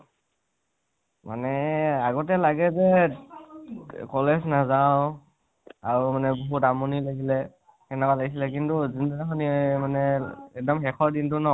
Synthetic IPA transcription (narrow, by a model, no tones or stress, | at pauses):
ma̰nɛaɡɔtɛlaɡɛzɛ | kɔlɛznazaʊ̃ | aɹumanɛbɔɦutamɔnilaɡilɛ | xɛnɛkalaɡis̬ilɛk̬intuzindaxɔnimanɛɛk̚dɔmxɛkʰɔɹdintʊnɔ